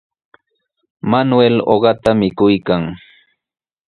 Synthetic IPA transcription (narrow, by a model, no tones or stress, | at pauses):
manwelo̰ɢɑt̪amɪkʊjkaŋ